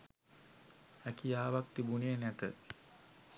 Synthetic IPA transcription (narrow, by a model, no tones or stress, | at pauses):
ækijaːʋakt̪ibunejənæt̪ə